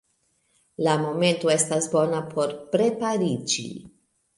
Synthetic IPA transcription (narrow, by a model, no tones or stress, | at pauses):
lamo̞me̞nto̞e̞stasbo̞napʰo̞ɾpɾe̞paɾid͡ʒḭ